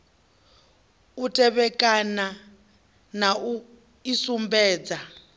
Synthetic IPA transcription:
utʼɛβɛkʼana | nau | isumbɛːd͡za

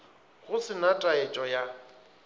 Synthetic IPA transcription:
ɣʊsɪnatʼaet͡ʃʼɔja

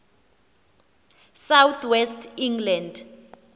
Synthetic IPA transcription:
sawt̪ʰwɛstʰiŋɡland

